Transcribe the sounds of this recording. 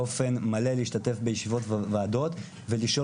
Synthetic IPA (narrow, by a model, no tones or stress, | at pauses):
ofe̞nmaleleiʃtate̞fbe̞jeʃivo̞tvvaːdo̞t̪ | ve̞liʃo̞